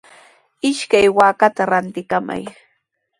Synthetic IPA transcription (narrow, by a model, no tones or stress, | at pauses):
ɪʃkajwaːkat̪aɾant̪ɪkama̰j